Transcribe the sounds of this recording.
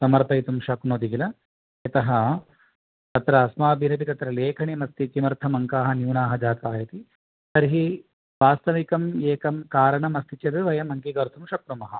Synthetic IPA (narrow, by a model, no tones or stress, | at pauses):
sɐmɐɾpɐjt̪umʃɐknoːd̪iɡilɐ | it̪ɐɦɐ | t̪ɐt̪ɾɐːsmaːbʱiɾɐbit̪ɐt̪ɾɐleːkʰɐɳimɐst̪ikimɐɾt̪ʰɐmɐŋkaːɦɐnjuːnaːɦɐd͡ʒaːt̪aːjɐt̪i | sɐɾɦi | ʋaːst̪ɐʋikɐmjeːkɐmkaːɾɐɳɐmɐst̪it͡ʃɐt̪eʋɐjɐmɐŋkiɡɐɾt̪ʰumʃɐkɾumɐɦɐ